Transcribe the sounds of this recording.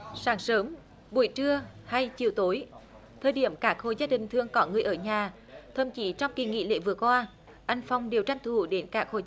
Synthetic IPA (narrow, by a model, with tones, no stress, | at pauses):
saː˨˦ŋsəː˨˦m | ɓu˧˩əjt͡ɕɨ˧əha˧jt͡ɕi˨˩əwt̪o˨˦j | t̪ʰəː˨jɗi˧˩əmkaː˦˥k̚ho̰˧˩zaː˧˥ɗï˨˩ŋ̟t̪ʰɨ˧˩əŋkɔ˨˦ŋɨ˨˩əjʔəː˧˩ɲaː˨˩ | t̪ʰə̰˧˩mt͡ɕi˨˦t͡ɕɔ˧wŋ͡mki˨˩ŋḭ˧˨lḛ˧˥˦vɨ˨˩əkwaː˧ | ʔa˧jŋ̟fɔ˧wŋ͡mɗe˨˩wt͡ɕa˧jŋ̟t̪ʰu˧˩ɗe˨˦nkaː˦˥k̚ho̰˧˨